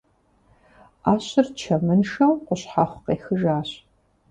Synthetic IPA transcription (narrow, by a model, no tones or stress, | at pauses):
aːɕɪrt͡ʃʰɐmɨnʂɐmwqʷʊɕħaχʷqeːxɨʒaːɕ